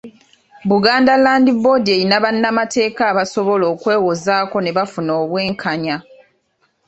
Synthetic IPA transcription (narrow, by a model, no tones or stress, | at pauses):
βuɡaːndalaːndibo̞dieinaβanːamate̞ːkaːβaso̞βo̞lo̞ːkwe̞ːwozaːko̞ne̞βafunoːβwe̞ːŋkʰaɲa